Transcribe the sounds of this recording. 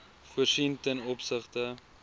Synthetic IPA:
vɔʃiŋtənɔpsəχtə

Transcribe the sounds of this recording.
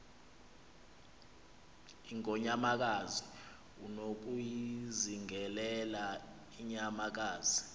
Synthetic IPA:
iŋɔɲamak̬azi | unok̬ujiziŋɛlɛla | iɲamak̬aːzi

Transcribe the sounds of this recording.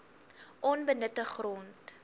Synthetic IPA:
ʔɔnbənətəχrɔnt

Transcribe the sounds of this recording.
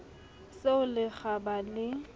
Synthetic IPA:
seʊlɪɣabalɪ

